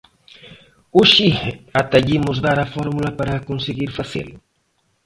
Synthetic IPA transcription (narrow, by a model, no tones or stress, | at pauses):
uʃiat̪aʎimʊzðaɾafɔɾmulɐpaɾaːkonseɣiɾfaθḛlʊ